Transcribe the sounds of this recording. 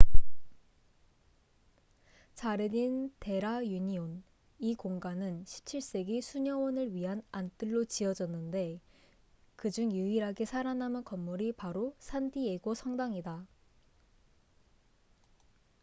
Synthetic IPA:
t͡ɕaɾedinte̞ɾajuɲion | ikoŋɡanɯnɕʰi̥p̚t͡ɕʰiɭs͈e̞ɡisʰuɲʌwʌnɯɭɥiɦanant͈ɯɭːot͡ɕiʌd͡ʑʌnːɯnde̞ | kɯd͡ʑuŋjuiɾɦaɡe̞sʰaɾanamɯnkʌmːuɾipaɾosʰandie̞ɡosʰʌŋdaŋida

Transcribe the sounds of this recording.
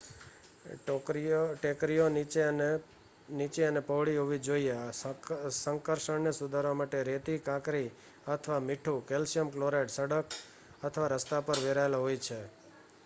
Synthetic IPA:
ʈekɾijonit͡ʃe | nit͡ʃeənepəʋɭiɦoʋid͡ʒoie | səŋkəɾʃəɳnesud̪ʱaɾʋamaʈeɾet̪ikãkɾi | ət̪ʰʋamɪʈʰukelsijəmkloɾeʈsəɽək | ət̪ʰʋaɾəst̪apəɾʋeɾaelaɦojt͡ʃʰe

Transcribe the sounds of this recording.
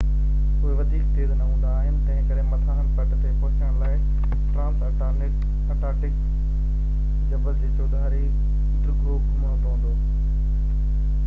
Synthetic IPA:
ʊɦeʋɐd̪ʱiːkt̪eːznɐɦũːn̆d̪aːɦɪnɪ̆t̪ɐ̃ɪ̃kɐɗ̃mɐt̪ʰaːɦənpɐʈt̪epɐɦt͡ɕəɽ̃laːɪ | ʈɾãːmsɐʈanɪk | ɐʈaːʈɪk | d͡ʑɐbət̪esod̪ʱaːɾi | d̪ɾʊɡoːbnɦə̃ːnd̪oɦũːnd̪oː

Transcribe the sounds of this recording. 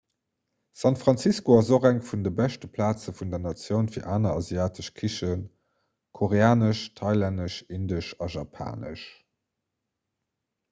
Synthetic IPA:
sɑntfʁɑnt͡siskoɑzoχæŋfundəbæʃtəpʰlaːt͡səfundɐnɑt͡sjəʊnfiːɐʔaːnɐɑziaːtʰəʃkʰiʃən | kʰoʁeaːnəʃtʰɑɪlændəʃindəʃɑʒɑpʰa̰ːnə̰ʃ

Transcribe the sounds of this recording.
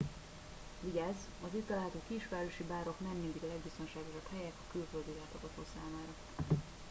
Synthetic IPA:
viɟaːz | ɒzit̪t̪ːɒlaːɦɒt̪oːkiʃʋaːɾoʃibaːɾo̞knɛmːiːnd̪ikɒlɛɡbist̪o̞nʃaːɡo̞ʃɒbhɛjɛt̪ɒkylføld̪ilaːt̪ɒɡɒt̪oːsaːmaːɾɒ

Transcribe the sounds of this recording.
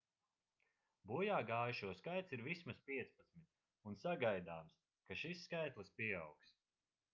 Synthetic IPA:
buɔjaːɡaːjuʃuɔskajt̪siɾvismaspiɛt̪spat̪smit̪̚ | unsaɡajd̪aːms | kaʃisːkajt̪lˠɨspiɛawks

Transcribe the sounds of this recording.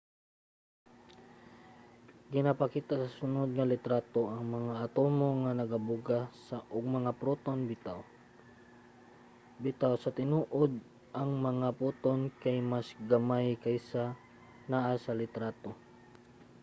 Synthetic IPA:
ɡɪnapɐkiːt̪asɐsʊnod̪̚ŋɐlɪt̪ɾaːt̪oʔɐŋmɐŋaʔɐt̪omoŋanɐɡabʊɡasaʔʊɡ̚mɐŋapɾot̪onbɪt̪aw | bɪt̪awsɐt̪ɪnuːʔod̪̚ | ʔɐŋmɐŋaput̪onkajmasɡɐmajkajsa | naʔasɐlɪt̪ɾat̪o

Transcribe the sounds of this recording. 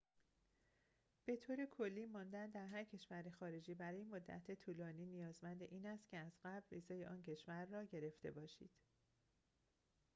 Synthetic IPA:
b̥e̞t̪ʰoːɾekʰo̞lːiːmɒːnd̪ænd̪æɾɦæɾcʰe̞ʃvæɾexɒːɾe̞d͡ʒiːbæɾɒːjemod̪ːæ̰t̪ʰet̪ʰuːlɒːniːnijɒːzmænd̪eʔiːnæst̪cʰe̞æzɢæbviːzɒːjeʔɒːncʰe̞ʃvæɾːɒːɟe̞ɾe̞ft̪e̞̰bɒːʃḭːd̪̥

